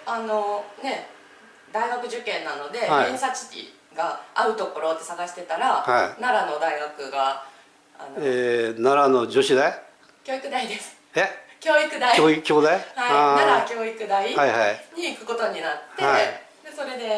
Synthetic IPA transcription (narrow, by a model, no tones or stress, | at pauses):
ano̞ne̞ | d̪aiɡakɯ̟ʑɨkẽ̞nːano̞d̪e̞aisat͡ɕi̥tʲḭ | ɡaaɯ̟t̪o̞ko̞ɾo̞t̪ːe̞saɡaɕi̥t̪e̞t̪aɾahainaɾano̞d̪aiɡakɯ̟ɡa | a̰noenaɾano̞d͡ʑoɕid̪ae | kʲo̞ːikɯ̟d̪aid̪e̞sɨ̥ | ekʲo̞ːikɯ̟d̪aiokʲoːd̪ajhaiaɾakʲo̞ːikɯ̟d̪aihaihaiɲ̟iːkɯ̟ko̞t̪o̞ɲ̟inat̪ːea | d̪e̞so̞ɾe̞d̪e̞